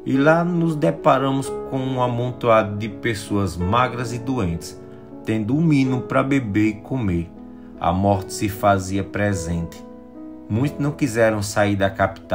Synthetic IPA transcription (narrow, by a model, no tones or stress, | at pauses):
ɪlanʊzd̪ɛpaɾɐ̃mʊskõũɐmõnt̪oad̪ʊd̪ɪpesoɐzmaɡɾɐzɪd̪uẽnt̪ɪ̥s | t̪ẽnd̪ʊũmĩnʊpɾɐbebeɾɪkõmeɾ | ɐ̰mɔɾt̪ɪ̥sɪfaziɐpɾɛzẽnt̪ɪ̥ | mũj̃t̪ʊznɐ̃w̃kizɛɾɐ̃w̃saiɾd̪ɐkapi̥t̪a